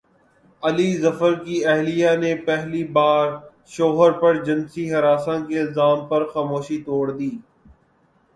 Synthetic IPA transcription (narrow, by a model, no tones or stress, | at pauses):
əlizəfəɾkiɛɦlijanepɛɦlibaːɾ | ʃoːɦəɾpɐɾd͡ʒɪnsiɦɐɾaːsãkelzaːmpɐɾxaːmoːʃit̪oːɽd̪iː